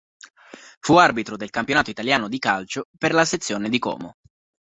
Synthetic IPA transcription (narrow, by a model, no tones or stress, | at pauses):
fuarbit̪ɾod̪elkampjonaːt̪oit̪aljaːnod̪ikalt͡ʃoperlaset̪sːjoːned̪ikɔ̰ːmo